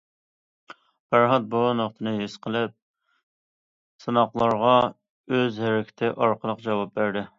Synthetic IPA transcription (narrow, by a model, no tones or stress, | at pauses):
b̥æɾɦɑt̪̚boɑnoχt̪ʰɨnɨɦɪsqʰəlˠɪp̚ | sɨnɑqlˠɑɾʁɑ | øzhæɾɪkʲʰɪ̥t̪ʰɪʔɑɾqʰəlˠəqd͡ʒɑwɑp̚bæɾd̪ɪ